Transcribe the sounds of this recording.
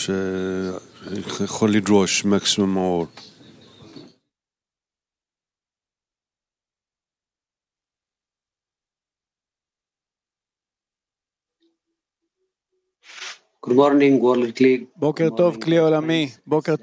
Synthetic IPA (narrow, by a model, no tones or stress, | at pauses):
ʃe | jexolːid̪ɾoʃmaksimumːaɔɾ | ɡ̥udmɔɾnĩŋɡwolkliɡbokeʁt̪ovkliolamibokeʁ